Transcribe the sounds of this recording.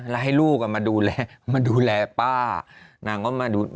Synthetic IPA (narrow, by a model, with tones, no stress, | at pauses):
lɛ˧ɦa˥˩jluː˥˩k̚ʔa˨˩maː˧duː˧lɛː˧maː˧duː˧lɛː˧paː˥˩na˧˩ŋkɔː˥˩maː˧duː˧